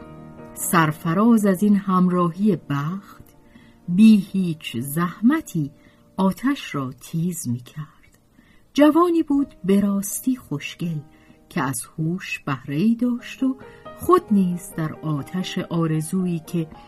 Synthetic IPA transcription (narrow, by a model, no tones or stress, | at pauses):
sæɾfæɾɒːzæzinhæmrɒːɦijebæxt̪ | biːhiːt͡ʃʰzæhmæt̪ʰiː | ɒːt̪ʰæʃɾɒːt̪ʰiːzmiːcʰæɾɾd̪̥ | d͡ʒævɒːniːbuːd̪be̞ɾɒːst̪iːχo̞ʃce̞l | cʰeæz̥huːʃb̥æhɾe̞iːd̪ɒːʃt̪o̞χo̞d̪niːzd̪æɾɒːt̪ʰæʃeʔɒːɾe̞zuːiːcʰe̞